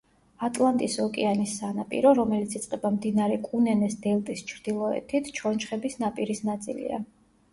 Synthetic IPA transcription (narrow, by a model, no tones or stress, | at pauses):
at̪ʼlˠant̪ʼisɔkʼɛ̰anisːanapʼḭɾɔɾɔmɛlit̪sʰit̪sʼqʼɛbamd̪inaɾɛkʼunɛnɛsd̪ɛlˠt̪ʼist͡ʃʰɾd̪ilˠɔɛ̰t̪ʰit̪ʰt͡ʃʰɔnt͡ʃχɛbisnapʼiɾisnat̪sʼḭlḭa̰